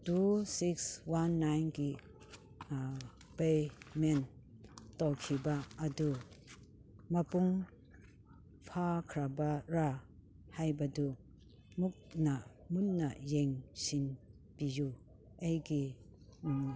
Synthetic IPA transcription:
tusikswanːajnɡi | bejmen | tɔwkʰibaːdu | mɐpuŋ | pʰakʰɾabaɾa | hajbadu | muk̚na | munːajeŋsin | piju | ejɡi

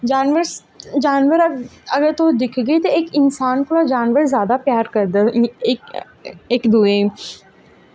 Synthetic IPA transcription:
d͡ʒaːnʋəɾs | d͡ʒaːnʋəɾɐɐɡəɾt̪oːd̪ɪkʰɡɐit̪oeːkɪnsaːnkolad͡ʒaːnʋəɾzjaːd̪apjaːɾkɐɾd̪aeːk | eːkd̪ue

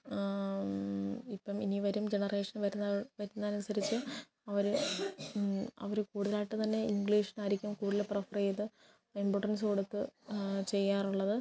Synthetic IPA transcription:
ipːɐminiʋɐɾumd͡ʑe̞nɐre̞ːʂɐnʋɐɾunːʋɐɾunːɐːnusɐɾit͡ɕːɨ | ɐʋɐɾu | ɐ̰ʋɐɾukuːɽuðɐlaːjiʈːɨt̪ɐnːe̞iŋɡliːʂɐ̥naːɾikʲːumkuːɽileprɐfɐrejɐt̪ːɨ | imboʈɐns̬oɽut̪ːɨt͡ɕe̞jːaːruɭːɐðɨ

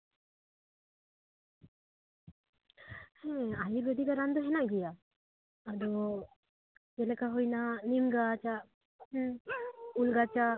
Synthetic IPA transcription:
hɛ̃ajiɾbɛd̪iɡaɾand̪ɔɦɛnaɡijaː | d̪ɔ | d͡ʒɛlɛkaɦujnanimɡat͡ʃa | ulɡat͡ʃa

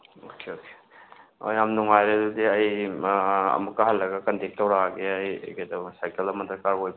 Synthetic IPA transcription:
okʰeoke̥ | o̰jamnuŋajɾedudiɐj | ɐ̰mukːɐɦɐlːɐɡɐkɐndek̚tɐwɾaɡeɐjɡedɐsajkelɐmɐt̪ɾɐkaɾɡojb

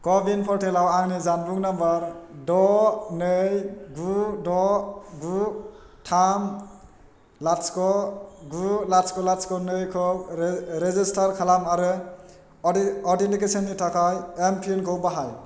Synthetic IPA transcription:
kɔbinpʰɔɾtʰelawaŋnizanbuŋnabaɾdɔnɯjɡudɔɡu | tʰam | laskɔɡulaskɔlaskɔnɯjkʰɔ | ɾezistʰaɾkʰalamaɾɯ | ɔɾdentikesɔnːitʰakʰajempʰienkʰɔwbaɦaj

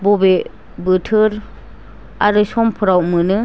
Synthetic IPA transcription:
bɔbe | bɯtʰɯɾ | aɾɯsɔmpʰɯɾawmɯnɯ

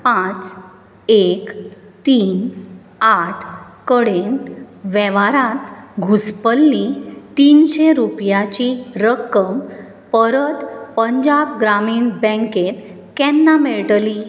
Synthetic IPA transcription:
pãt͡s | ek | t̪iːn | aʈʰ | kəɽenʋɛʋaɾãt̪ɡʱuspəlːĩt̪iːnɕeɾupjat͡ɕiɾəkːəm | pəɾət̪pəɲd͡ʑabɡɾamiːɳbɛ̃ŋket̪ | kɛnːameɭʈli

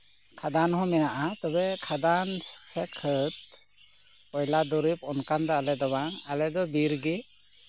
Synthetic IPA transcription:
kʰadanhɔmɛnaʔat̪ɔbekʰadanssʰekʰɯt̪̚ | ɔjladɔɾipɔnkandaalɛdɔbaŋalɛdɔbiɾɡi

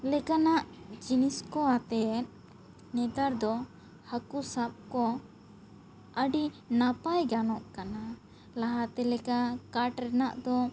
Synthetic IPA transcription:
lɛkanaʔd͡ʒiniskɔat̪ɛt̪̚ | nɛd̪aɾd̪ɔ | hakusap̚kɔ | əɖinapajɡanɔʔkana | laɦat̪ɛlɛkakaʈɾɛnaʔd̪ɔ

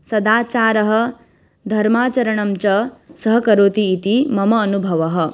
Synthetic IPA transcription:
sɐd̪aːt͡ʃaːɾɐɦɐ̆ | d̪ʱɐɾmaːt͡ʃɐɾɐɳɐmt͡ʃɐsɐɦɐkɐɾoːt̪iːt̪imɐmɐːnubʱɐʋɐɦɐ̆

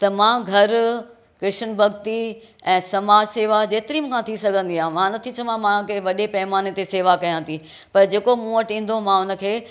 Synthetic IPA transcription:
t̪ɐmãːɡʱɐɾ | kɾɪʃənbʱɐɡt̪i | ɛ̃ːsɐmaːd͡ʑseːʋad͡ʑeːt̪ɪɾiːmkʰãt̪ʰisɐɡʱə̃nd̪iãːmãnɐt̪ʰit͡ɕʰɐʋãmãkeʋɐɗepɐɦɪmaːnet̪eseːʋakɐjãːt̪ʰi | pɐɾd͡ʑeːkomũːəʈĩːn̆d̪omãʊnə̆kʰeː

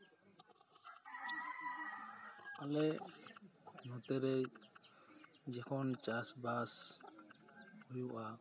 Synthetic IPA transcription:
alɛ | nũt̪ɛɾɛ | d͡ʒɛkʰɔnt͡ʃasbas | hujuʔa

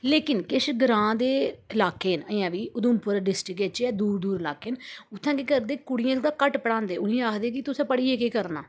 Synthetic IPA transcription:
leːkɪnkɪʃɡɾãːd̪eːɪlaːkeːnəjãːʋiːʊd̪ʊmpʊɾɖɪsʈɾɪkeːt͡ʃɛːd̪uːɾd̪uːɾɪlaːkeːnʊt̪ʰːãːkekəɾd̪eːkʊɽɪjãːsãːkəʈpəɽãːnd̪eːʊnĩːaːkʰd̪eːkɪt̪ʊsãːpəɽiːeːkeːkəɾnaː

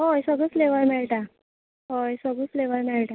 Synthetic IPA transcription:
ɦojsəɡuːsfleʋəɭmeɭʈa | ɦojsəɡuːsfleʋəɭmeɭʈa

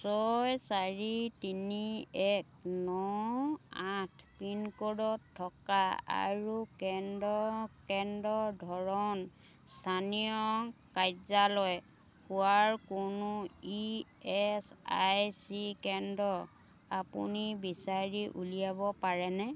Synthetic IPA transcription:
sɔjsaɹitiniɛk̚nɔ | atʰpinkɔdɔtʰːɔkaa̰ɹukɛndɔkɛndɔdʱɔɹɔn | stʰanijɔkajzalɔj | huaɹkʊnui | ɛsa̰jsikɛndɔ | apṵnibisaɹiʔṵlijabɔpaɹɛnɛ

